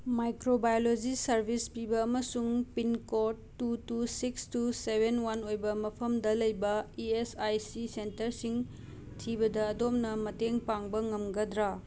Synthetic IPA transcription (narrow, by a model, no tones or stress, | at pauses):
majkɾobajolod͡ʒisɐɾbʱispibɐːmɐsuŋpinkoɾ | tːutusikstusebʱenwanojbɐmɐpʰɐmdɐlɐjbɐiesajsisentɐɾsiŋ | tʰibɐdɐːdom̚nɐmɐteŋpaŋbɐŋɐmɡɐdɾa